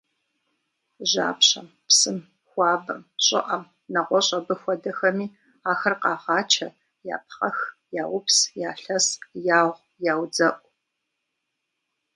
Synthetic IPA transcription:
ʒa̰ːpɕɐm | psɨm | xʷɑːbɐmɕʼɪ̰ʔɐm | nɐʁʷɔɕʼɐbɨxʷɔdɐxɐmiː | aːxɐrqɑːʁɑːt͡ʃʰɐ | ja̰ːp̚χɐxjaːwʊpsjaːɬɐsjaːʁʷ | jaːwd͡zɐʔʷʼ

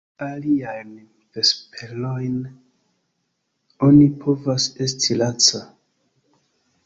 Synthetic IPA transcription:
aliajn | vespʰelojn | o̞nipʰo̞vase̞stʰilat͡sa

